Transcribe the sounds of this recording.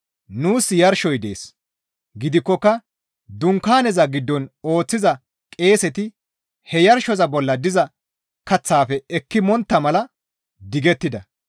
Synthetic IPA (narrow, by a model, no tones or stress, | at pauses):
nuːsjɐɾʃɔjd̪e̞̰ːs | ɡɪd̪ɪkːɔkːɐ | d̪ʊŋkaːnɛzɐɡɪd̪ːɔno̞ːt͡sːɪzɐ | kʼe̞ːsɛt̪ɪ | hɛjɐɾʃɔzɐbɔlːɐd̪ɪzɐ | kɐt͡sːaːfɛɛkːɪmɔnt̪ːɐmɐlɐ | d̪ɪɡɛt̪ːɪd̪ɐ